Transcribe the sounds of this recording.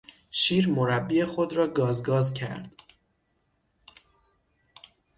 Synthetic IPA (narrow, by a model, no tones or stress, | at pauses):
ʃiːɾmoɾæbːie̞xod̪ɾɒːɡɒːzɡɒːzcʰæ̰ɾd̪̥